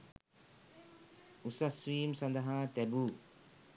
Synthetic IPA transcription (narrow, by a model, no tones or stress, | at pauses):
usɐswiːmsɐ̃nd̪ɐɦãːt̪ɛbuː